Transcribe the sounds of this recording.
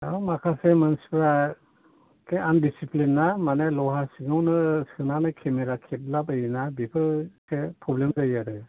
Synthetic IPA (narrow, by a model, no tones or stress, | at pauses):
a̰wmakʰasemansi̥pʰɾa | kʰeandisiplinːamanelɔɦasiŋɯwnɯsɯnanɯjkʰemeɾakʰep̚lapɯjinabipʰɯsepʰɾɔblemzajaɾɯ